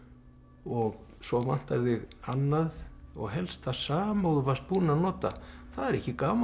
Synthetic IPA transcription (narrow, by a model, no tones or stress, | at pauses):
ɔɣsɔva̰n̥t̪aɾðɪɣanːaðɔ̰ɣɦɛlst̪θasaːmawðʏvaspunanɔːt̪a̰θaðɛɾɛhcːɪkaːma